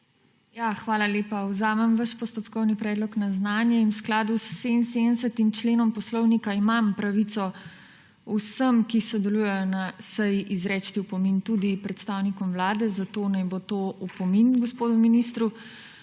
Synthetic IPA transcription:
jaxʋaːlaleːpawzaːmɛmʋəʃpɔst̪ɔpkɔwnipɾɛːd̪lɔknaznaːnjɛinwsklaːd̪usːensed̪ənsət̪imt͡ʃleːnɔmpɔslɔwnikaimampɾaʋit̪sɔ | usəmkisɔd̪ɛluːjɛjɔnasɛjiʔizɾɛːt͡ʃt̪iupɔmint̪ud̪ipɾɛt̪st̪aːwnikɔmwlaːd̪ɛzat̪oːnajbot̪oːupɔminɡɔspoːd̪uminist̪ɾu

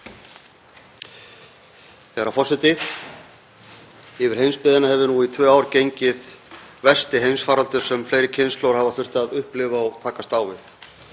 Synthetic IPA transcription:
θɛɛɾawfɔsɛt̪ɪ | ɪvɪɾ̥hejnspɪːðɪnahɛvʏnuit̪ʰvœːaːwɾcejɲcɪðvɛ̥st̪ɪɦejnsfaːɾalt̪ʏ̥sɛmfleːjɾɪcʰɪnslowɾ̥havaθʏr̥t̪aðʏhplɪvaɔɣt̪ʰaːkast̪aːwvɪθ

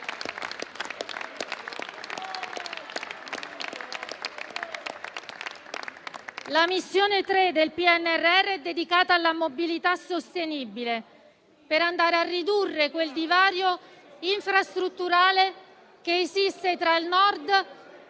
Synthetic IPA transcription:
lamisːjoːnet̪ɾed̪elpiɛnːɛrːɛrːeɛd̪ːed̪ikaːt̪aːlːamobilit̪asost̪enibile | peɾand̪aːɾearːid̪urːekweld̪ivaːɾjo | iɱfɾast̪ɾut̪ːuɾaːle | k̟eːsist̪et̪ɾailnɔrd̪

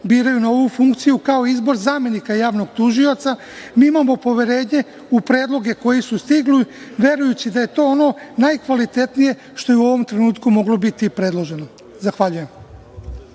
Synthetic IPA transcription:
biːɾajunooʋufuŋkt̪sijukaoizbo̞ɾzaːme̞nikajaːʋno̞ɡt̪uʒio̞t̪sa | miːimamo̞po̞ʋe̞ɾe̞ːɲe̞ | upɾe̞ːd̪lˠo̞ɡe̞ko̞jisust̪iɡliʋje̞ɾujut͡ɕid̪aje̞t̪o̞ːono̞najkʋalit̪e̞t̪nije̞ | ʃt̪o̞jeuo̞ʋo̞mt̪ɾe̞nuːt̪kumo̞ɡlo̞bit̪ipɾe̞d̪lˠo̞ʒe̞no̞ | zaxʋaʎuje̞m

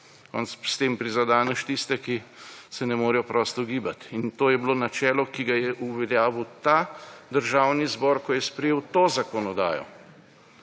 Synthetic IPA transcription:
kɔ̰nsst̪eːmpɾizad̪aːnəʃt̪ist̪ɛkisɛnɛmoːɾijɔpɾɔːst̪ɔɡiːbat̪int̪oːjɛbloːnat͡ʃɛːlɔkiɡajɛʔuʋɛlʲjaːʋəwt̪ad̪əɾʒaːwnizbɔːɾkɔjɛspɾɛjewt̪oːzakɔnɔd̪a̰ːjɔ̰

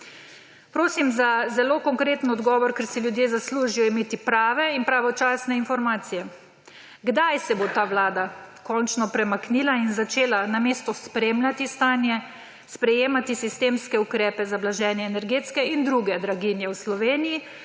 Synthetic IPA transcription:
pɾoːsimzazɛlokɔŋkɾeːt̪n̩ɔd̪ɡɔːʋɔɾkɛɾsiljud̪jeːzasluːʒijɔimeːt̪ipɾaːʋɛinpɾaʋɔt͡ʃaːsnɛinfɔɾmaːt̪sijɛ | ɡd̪ajsɛbot̪aːʋlaːd̪akɔnt͡ʃnɔpɾɛmakniːlainzat͡ʃeːlanameːst̪ɔspɾeːmlʲat̪ist̪aːnjɛ | spɾɛjeːmat̪isist̪eːmskɛukɾɛːpɛzablaʒɛːnjɛːnɛɾɡeːt̪skɛind̪ɾuɡɛd̪ɾaɡinjɛwslɔʋeːniji

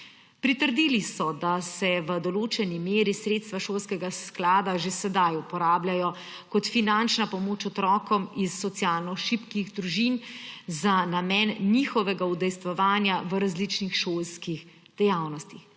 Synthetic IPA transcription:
pɾit̪əɾd̪iːlisɔd̪asɛʋəd̪ɔloːt͡ʃɛnimeːɾisɾeːt̪st̪ʋaʃoːlskɛɡasklaːd̪aʒesɛd̪ajupɔɾaːblʲjajɔ | kɔt̪finant͡ʃnapɔmoːt͡ʃɔt̪ɾɔːkɔmisːɔt̪sjaːlnɔʃipkiɣd̪ɾuʒinzanamɛnːixɔʋɛɡaud̪ɛjst̪ʋɔʋaːnjaʋəɾazlit͡ʃnixʃoːlskix | d̪̥ɛjawnɔst̪ix

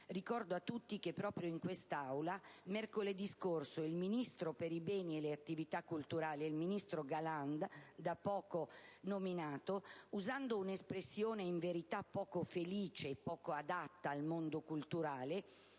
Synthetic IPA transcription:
rikɔrd̪oat̪ːut̪ːik̟epːɾɔːpɾjoiŋkwest̪awlamerkoled̪iskorsoilminist̪ɾopeɾibɛːnieleat̪ːivit̪akːult̪uɾaːliilminist̪ɾoɡaland̪d̪apːɔːkonominaːt̪ouzand̪ounespɾesːjoːneiɱveɾit̪apːɔːkofeliːt͡ʃeːpːɔːkoad̪at̪ːaːlmond̪okult̪uɾaːle

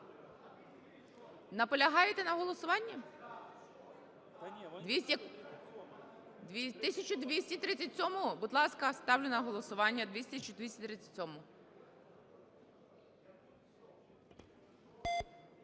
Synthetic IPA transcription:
nɐpɔlʲɐɦɑjet̪ɛnɐɦɔlˠɔsʊʋɑnʲːɐ | d̪ʋʲisʲ | d̪ʋʲit̪ɪsʲɐt͡ʃʊd̪ʋʲisʲtʲit̪ɾɪt͡sʲːɐtʲsʲɔmʊbud̪lˠɑskɐst̪ɑwlʲenɐɦɔlˠɔsʊʋɑnʲːɐd̪ʋʲisʲt̪ɪst͡ʃʊd̪ʋʲisʲtʲit̪ɾɪt͡sʲːɐ̥tʲsʲɔmʊ

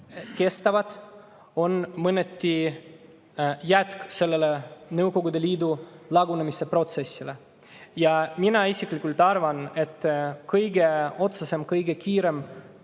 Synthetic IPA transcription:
ke̞st̪ɑvɑd̪̥ | o̞nmɤnːet̪ʲːi | jæt̪kse̞lːelenɤwko̞ɡud̪e̞liːd̪ulɑɡunemise̞pro̞t̪se̞sʲːile | jɑminɑisiklikːˑult̪ɑrvɑne̞t̪ːˑkɤjɡeo̞t̪sese̞mkɤjɡe̞kiːɾe̞m

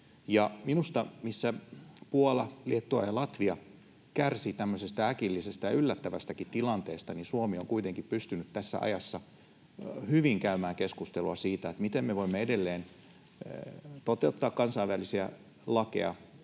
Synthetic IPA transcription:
jɑminust̪ɑmisːæpuolɑliet̪ːuɑ̰jɑlɑt̪ʋiɑ | kærsit̪æmːøsest̪æækilːisest̪ɑjɑylːæt̪ːæʋæst̪ækit̪t̪ilɑnt̪eːst̪ɑnisuomioŋkuit̪eŋkippyst̪ynyt̪tæsːæ̰ɑ̰jɑsːɑ | hyʋiŋkæymæːŋkeskust̪eluɑsiːt̪æet̪mit̪emmeʋoimːeedelːeːn | t̪ot̪eut̪ːɑːkkɑnsɑiʋʋælisiæ | lɑkḛɑ

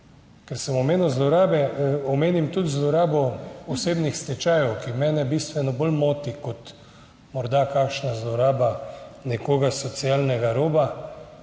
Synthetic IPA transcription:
kɛɾsəmɔmeːnuwzlɔɾaːbɛɔmeːnimt̪ut̪zlɔɾaːbɔɔseːbnixst̪ɛt͡ʃaːjɛwkimɛːnɛbist̪ʋɛnɔbolmoːt̪ikɔt̪ | mɔɾd̪akaːkʃnazlɔɾaːbanɛkoːɡasɔt̪sijalnɛɡaɾoːba

